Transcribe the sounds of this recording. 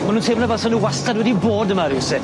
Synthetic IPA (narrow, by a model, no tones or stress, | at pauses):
manuːntʰeːmənavɛlˠsɔnuwastadwɛdiboːdəmaɾɪsɪ